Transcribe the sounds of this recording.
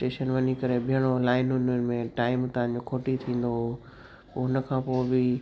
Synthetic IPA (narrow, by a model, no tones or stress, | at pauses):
ʈeːʃənʋɐɲikɐɾebʱɪjəɽ̃olaːɪnɦʊnənɪ̆mẽʈaːɪmt̪ɐɦãɲ̆d͡ʑokʰoːʈit̪ʰĩːn̆d̪o | poɦʊnə̆kʰãːpoːɪbɪ